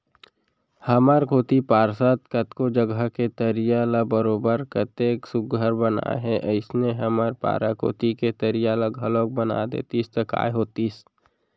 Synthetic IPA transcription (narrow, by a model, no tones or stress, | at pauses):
həməɾkoːt̪ipaːɾsat̪kət̪kod͡ʒəɡəket̪əɾijaləbəɾoːbəɾkət̪eksʊɡʱəɾbəna̰ɦɛʔəɪsneɦəməɾpa̰ːɾako̰ːt̪iket̪əɾijaləɡʱəlok̚bəna̰d̪ḛːt̪ist̪əka̰ːjɦoːt̪is